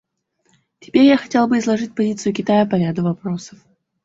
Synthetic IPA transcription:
tʲɪ̥pʲeɾʲjaxɐtʲelˠbɨɪzlˠɐʐɨtʲpɐzʲit̪sɨjʊkʲɪt̪ajəpɐɾʲad̪ʊvɐpɾo̞səf

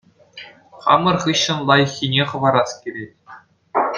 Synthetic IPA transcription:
χɑ̰mɤ̆rχɯɕːɤ̆nlˠɑjɤ̆xʲːinʲeχɤ̆ʋɑɾɑskʲirʲetʲ

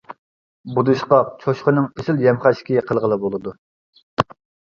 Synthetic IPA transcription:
bud̪ɨʃqɑt͡ʃʰoʃqənɨŋesɪljɛmχæʃkʲiqʰəlˠʁəlˠɨbolˠɨd̪u

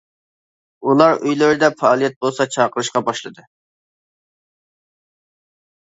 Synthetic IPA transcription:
ulˠɑɾʔøjløɾɪd̪ɛfɑɑːlˠijɛt̪̚bolˠsɑt͡ʃʰɑqəɾɨʃqɑbɑʃlˠɨd̪ɨ

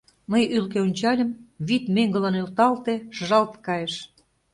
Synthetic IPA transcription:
məjylkeonʲt͡ɕɑlʲə̆mβit̪meŋɡə̆lɤnølt̪ɑlt̪eʃəʒɑlt̪kɑjeʃ

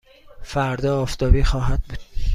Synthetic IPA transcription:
fæɾd̪ɒːft̪ɒːbiːxɒːɦæd̪̚buːd̪̥̚

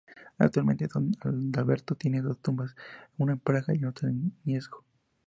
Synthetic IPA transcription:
na̰kt̪uɾalme̞nt̪eðonad̪alβeɾt̪ot̪je̞ne̞ðo̞st̪umbasnunaempɾaɣaiunot̪ennjezɡo̥

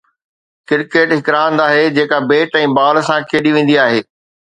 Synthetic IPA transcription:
kɪɾkeːʈɦɪkɾaːnd̪aːɦed͡ʑeːkabeːʈɛ̃ːbaːlsãkʰeːɗiʋẽːnd̪iaːɦeː

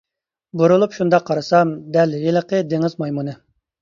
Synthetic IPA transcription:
buɾulˠupʃund̪ɑqʰːɑɾɨsɑmd̪ɛlːjelˠəqʰəd̪eŋɪzmɑjmunɨ

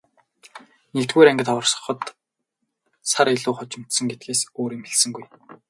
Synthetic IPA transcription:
nekt̪ɡuːɾæŋɡʲɪ̆t̪ɔɞ̆rsɞ̥̆χɞ̆t̪ | saɾeɮuːχɔt͡ɕɪ̆m̥t̪sɞ̆ŋɡet̪̚ɡeːsoːɾiːmxeɮsɘ̆ŋɡuj

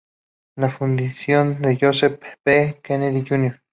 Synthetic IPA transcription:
lafund̪isjond̪eʝosepbekeneðiʝunjoɾ

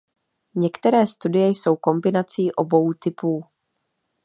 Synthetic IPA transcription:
ɲɛkt̪ɛɾɛːst̪udɪjɛjso̞wko̞mbɪnat͡siːʔo̞bo̞wt̪ɪpuː

